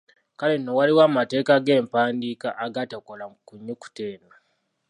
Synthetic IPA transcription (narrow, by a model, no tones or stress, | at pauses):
kale̞no̞waliwaːmate̞ːkaɡe̞ːmpaːndiːkaʔːɡatakolakuɲːoku̥teːna